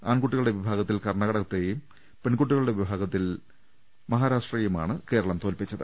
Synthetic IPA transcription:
aːnkuʈːiɣɐɭuɽe̞ʋibʱaːɡɐt̪ːilkɐrɳɐɣɐɽɐt̪ːejum | peɳkuʈːiɣɐɭuɽeʋibʱaːɡɐt̪ːil | mɐɦaːɾaːʂʈriːjuma̰ːɳɨke̞ːɾɐɭɐmt̪oːlpit͡ɕːɐðɨ

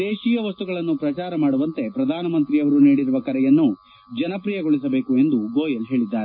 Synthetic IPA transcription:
d̪eːʃiːjɐʋɐst̪uɡɐɭɐnːupɾɐt͡ʃaːɾɐmaːɽuʋɐnt̪e̞pɾɐd̪ʱaːnɐmɐnt̪ɾijɐʋɐɾuniːɽiɾuʋɐkɐɾɛjɐnːu | d͡ʒɐnɐpɾiːjɐɡoɭis̬ɐbeːkue̞nd̪uɡoːjɐlɦe̞ːɭid̪ːaːɾe

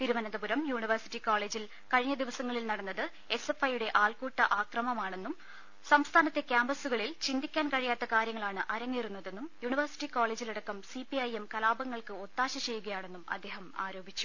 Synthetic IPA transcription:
t̪iɾumɐnɐd̪ɐbuɾɐmjuːɳiʋɐrsi̥ʈːikoːɭe̞ːd͡ʑil | kɐɻiɲːɐd̪iʋɐsɐŋːɐɭilnɐɽɐnːɐðɨ | e̞se̞fɐjuɽe̞ʔaːlkuːʈːɐʔaːkrɐmɐmaːɳe̞nːum | sɐmst̪ʰaːnɐt̪ːe̞kʲjaːmbɐsuɣɐɭilt͡ɕind̪ikʲːaːnkɐɻijaːt̪ːɐkaːɾjɐŋːɐɭaːɳɨʔɐɾɐŋːiːrunːɐðe̞nːumjuːɳiʋɐrsi̥ʈːiko̞ːɭe̞ːd͡ʑiliɽɐkːɐmsipiɐjemkɐlaːbɐŋːɐɭkɨot̪ːaːɕɐt͡ɕe̞jːuɣɐjaːɳe̞nːumɐ̰d̪ːe̞ːɦɐma̰ːɾo̞ːbʱit͡ɕːu̥

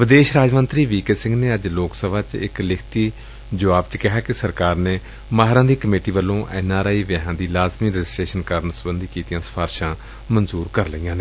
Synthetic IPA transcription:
ʋɪd̪eːʃɾaːd͡ʒmənt̪ɾiːʋiːkesɪ̃ŋɡneːəd͡ʒloːksəbʱaːt͡ʃɪ̰klɪkʰt̪iː | d͡ʒəʋaːbt͡ʃkɪɦaːkɪsəɾkaːɾneː | maːɦɾãːd̪iːkəmeːʈiːʋəlːõːʔɛːnaːɾaːiːʋɛɦãːd̪iːlaːzmiːɾəd͡ʒɪsʈɾeːʃənkəɾənsəbənd̪ʱiːkiːt̪ijãːsə̥pʰaːɾʃãː | mənzuːɾkəɾləijãːneː

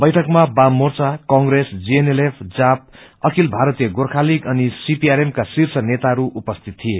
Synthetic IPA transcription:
bʌjʈʰʌkmabamort͡sakʌŋɡɾesd͡zienelepʰd͡zap̚ʌkʰilbʱaɾʌt̪ijʌɡorkʰalikʌnisipiaɾemkasirsʰʌnet̪aʌɾuʔupʌst̪ʰit̪̚ʰːije

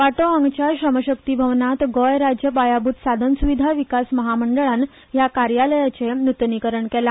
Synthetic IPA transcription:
ʋaʈoə̃ŋɡt͡ɕaɾɕɾəməɕək̚t̪ibʱəʋnat̪ɡɔjɾad͡ʑjəpajabut̪sad̪ʱənsuʋid̪ʱaʋikasməɦaməɳɖəɭan | jakaɾjaləjat͡ɕenut̪nikəɾəɳkela

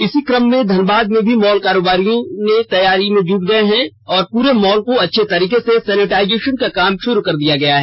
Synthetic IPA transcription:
ɪsikɾəmːẽd̪ʱɐnbaːd̪̚mẽbʱimɔːlkaːɾoːbaːɾijõnẽt̪ɐjaːɾimẽd͡ʒuːkɡɐeɦɛ̃ | ɔːɾpuːɾemɔːlkoɐtːʃʰet̪ɐɾiːkesesɛːnɪʈaːɪd͡ʒeːʃənkakaːmʃʊɾukɐɾd̪ijaɡɐjaɦɛː

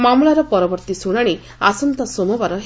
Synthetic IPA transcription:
mamlaɾɔpɔɾɔbɔɾt̪isuɽ̃aɽ̃i | asɔnt̪ɔsomɔbaɾɔɦ

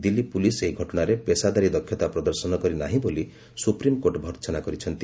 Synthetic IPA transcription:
d̪ilːipuliseiɡʱɔʈɔɽ̃aɾepesad̪aɾid̪ɔkʰːjɔt̪apɾɔd̪ɔɾsɔnɔkɔɾinaɦĩboli | supɾimkoʈbʱɔɾt͡ʃɔnakɔɾit͡ʃʰɔnt̪i

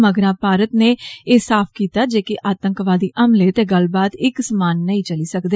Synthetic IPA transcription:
məɡɾãːpaːɾət̪neːeːsaːpʰkiːt̪aːd͡ʒeːkɪʔaːt̪əŋkʋaːd̪iːʔəmleːt̪eːɡəlbaːt̪ɪksəmaːnːəĩːt͡ʃəliːsəkd̪eː

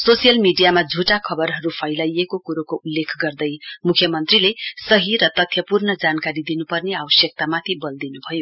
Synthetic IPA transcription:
sosijʌlmiɖijamad͡zʱuʈakʰʌbʌrɦʌɾupʰʌjlajekokuɾokoʔulːekʰɡʌrd̪ʌjmukʰjʌmʌnt̪rilesʌɦiɾʌt̪ʌt̪ʰjʌpurnʌd͡zankaɾid̪inupʌrneabʌsjʌk̚t̪amat̪ʰibʌld̪inubʱʌjo

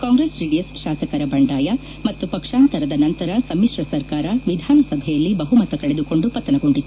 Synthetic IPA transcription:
kaːŋɡɾeːsɾiːɖijɐsʃaːsɐkɐɾɐbɐɳɖaːjɐ | mɐt̪ːupɐkʂaːnt̪ɐɾɐd̪ɐnɐnt̪ɐɾɐsɐmiʂɾɐsɐɾkaːɾɐʋid̪ʱaːnɐsɐbʱɛjɐlːibɐɦumɐt̪ɐkɐɭed̪uko̞ɳɖupɐt̪ːɐnɐɡoɳɖi

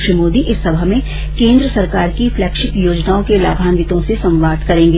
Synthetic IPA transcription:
ʃəmoːd̪iʔɪsːɐbʱəɦmẽ | kẽːnd̪ɾəsɐɾkaːɾkifʰlɛːkʃɪkjoːd͡ʒnaːõkelaːbʱaːnʋɪt̪õsesɐ̃mʋaːd̪kɐɾẽːŋɡe

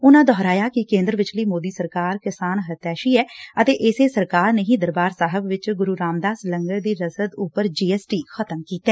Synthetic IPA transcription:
ʊnãːd̪ɔːɾaːjaːkɪkẽːnd̪ɾəʋɪt͡ʃləiːmoːd̪iːsəɾkaːɾkɪsaːnɦət̪ɛːʃiːɛːət̪eːʔɪseːsəɾkaːɾneɦĩːd̪əɾbaːɾsaːɦəbʋɪt͡ʃɡʊɾuːɾaːmd̪aːsləŋɡəɾd̪iːɾəsəd̪ʊpəɾd͡ʒiːɛːsʈiːxət̪əmkiːt̪ɛː

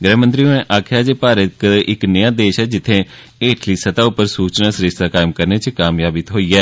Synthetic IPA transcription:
ɡɾɛːmə̃nt̪ɾioẽʔaːkʰjaːd͡ʒeːpaːɾəkɪknəjãːd̪eːʃɛːd͡ʒɪt̪ʰːẽː | eːʈʰliːsət̪aːʊpəɾsuːt͡ʃnaːsɾɪʃt̪aːkaːɪmkəɾneːt͡ʃkaːmjaːbɪt̪ɦoːiːɛː

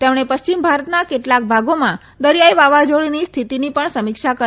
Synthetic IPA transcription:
t̪emɽ̃epəʃt͡ʃimbʱaɾət̪nakeʈlak̚bʱaɡomã | d̪əɾjajʋaʋad͡ʒoɭinist̪ʰit̪inipəɳsəmikʃakə

